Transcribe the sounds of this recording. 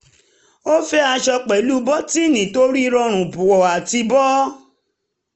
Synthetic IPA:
o˦fɛ˦a˧ʃɔ˧k͡pɛ˨˦lu˦bɔ˦ti˦˨nĩ˨to˦ɾi˦˧ɾɔ̃˧ɾ̃ũ˨bũ˨wɔ˨a˨ti˧bɔ˦

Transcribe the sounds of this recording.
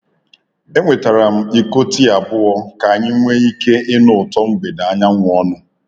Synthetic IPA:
e˦ŋʷe˨ta˨ɾa˨m̩˦i˦ko˦ti˦a˨bʊ˦ɔ˦ka˨a˨ɲɪ˦ŋʷe˦i˦ke˦ɪ˦nʊ˨tɔ˦m̩˦be˨da˨a˦ɲa˦ŋʷʊ˨ɔ˦nʊ˦

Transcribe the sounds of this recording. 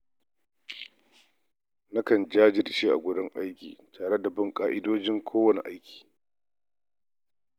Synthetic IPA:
na˦kɐ˨nd͡ʒaː˦d͡ʒɪ˦dt͡ʃeː˦ʔa̰˨ɡʷʊ˦ɽɪ˦ŋʔa˦jkʲḭː˨tʰaː˨ɽe˦da˨bɐ˦ŋkʼaː˦ʔɪ˦doː˦d͡ʒɪ˦ŋkʷʰoː˦wɐ˦nḛ˨ʔa˦jkʲi̥ː˨

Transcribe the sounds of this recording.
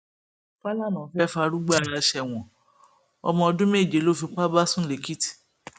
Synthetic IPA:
k͡pa˦la˦˨nã˨˦fɛ˦fa˧ɾu˦ɡ͡ba˦˨ɾa˧ʃɛ˨w̃ɔ̃˨ | ɔ̰˧mɔ̃˧ɔ˧dũ˦me˦˨d͡ʒe˨˦lo˦˨fĩ˧k͡pa˦ba˦sũ˦le˨ki˦ti̥˨

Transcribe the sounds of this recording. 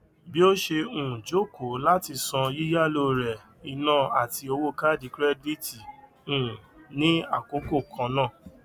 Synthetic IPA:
bi˦o˦ʃe˧ũ˨d͡ʒo˦˨ko˨˦la˦ti˧sɔ̃˧ji˦ja˦˨lo˧ɾɛ˨ | i˧˨nãː˦˨a˨ti˧o˧wo˦ka˦˨di˨˧kɾɛ˦di˦˨ti˨ | ũ˨nĩ˦a˦˨ko˨˦ko˦˨kʰã˧˦nã˦˨

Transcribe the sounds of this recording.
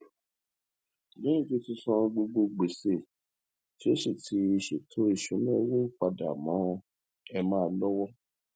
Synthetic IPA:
nĩ˨˦ĩ˦˨ti˦tĩ˧˦sɔ̃˧ɡ͡bo˧ɡ͡bo˧ɡ͡be˨se˨ | ti˨˦o˦ʃe˦˨tʰi˨˦e˧ʃe˨tʰo˨˦i˦˨ʃũ˨˦nɛ̃˦wũ˦k͡pa˧da̰˨mã˨˦˧ | ɛ˧mãː˦˧˦lɔ˦wɔ˦

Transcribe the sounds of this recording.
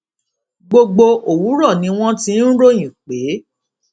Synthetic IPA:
ɡ͡bo˧ɡ͡bo˧o˨wu˨˦ɾɔ˦˨nĩ˨˦w̃ɔ̃˦tĩ˧˦n̩˦ɾo˦j̃ĩ˨k͡pe˨˦

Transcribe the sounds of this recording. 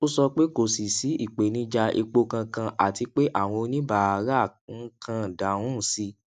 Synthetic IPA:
o˦sɔ˧k͡pe˦ko˨si˨si˨˦i˦˨k͡pe˨nĩ˨˦d͡ʒa˧ʔḭ˧k͡po˧kã˧kã˧ʔa̰˨ti˧k͡pe˦ʔa˦˨w̃ɔ̃˧nĩ˦ba˦˨˧ɾa˦˨ŋ̩˦kʰã˧˨da˨ũ˦˨si˧

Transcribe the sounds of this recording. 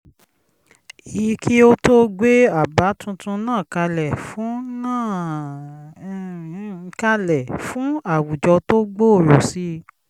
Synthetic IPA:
i˨˦kʰi˦o˦to˦ɡ͡be˦a˦˨ba˨˦tũ˧tũ˧nãː˦˨ka˧lɛ˨fũ˨˦nãː˦˨ | ka˧lɛ˨fũ˨˦a˦˨wu˨d͡ʒɔ˧to˦ɡ͡bo˦˨ɾo˨si˦

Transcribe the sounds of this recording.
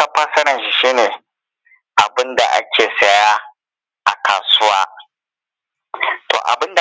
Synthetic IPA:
a˦ɸaː˦sɐ˦ɾɐ˨nʃi˦ʃiː˦neː˨ | ʔa˨bɪ˦nda˨ʔa̰˦kʲeː˨sɐ˦ja˦ | ʔa̰˨kʰaː˨sʊ˦waː˦ | to̰ː˨ʔa̰˨bɪ˦nda˨

